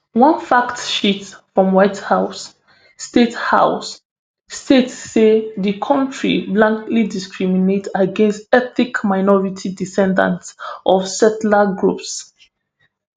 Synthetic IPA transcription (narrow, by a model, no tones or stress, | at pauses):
wãnfaktʃitfɹɔ̃mwaɪthaʊsː | tetha̰ʊsː | tetːeðikʰɔ̃ntʰɹḭblãŋklidiskɹiminetaɡẽnstɛθikmaɪnɔɹitʰidisɛ̃ndã̰ntsʔɔfsɛtlaɡɹups